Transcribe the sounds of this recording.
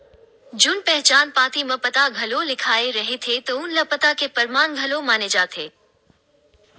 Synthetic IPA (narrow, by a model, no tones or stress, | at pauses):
d͡ʒʊnpɛɦt͡ɕaːnpaːt̪imɐ̃pɐt̪aɡʱɐlolɪkʰaːeɾɐɦet̪ʰet̪ɐʊnlɐpɐt̪akepɐɾmaːnɡʱɐlomaːned͡ʒaːt̪ʰeː